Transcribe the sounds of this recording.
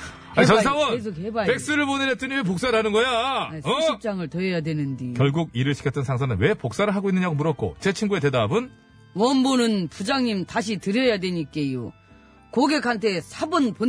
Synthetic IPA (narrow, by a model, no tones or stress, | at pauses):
ait͡ɕʌnsʰawʌnes̬ʰokhebape̞k̚s͈ɯɾɯɭponɯɾet͈ʰɯɲimep̬ok̚s͈aɾanɯnɡʌjaesʌip̚t͡ɕ͈aŋɯɭtʌjʌjadwe̞nɯndikjʌɭɡuɡ̚iɾɯɭɕʰi̥kʰʌt͈ʌnsʰaŋs̬ʰʌnɯnwe̞pok̚s͈aɾɯɭɦaɡoinːɯɲaɡomuɾʌt̚k͈o̰t͡ɕet͡ɕʰiŋɡue̞te̞dabɯn | wʌnbonɯnpud͡ʑaŋɲimtaɕʰitɯɾjʌjadwe̞ɲik͈ejo | koɡe̞kʰantʰe̞sʰabɯnpo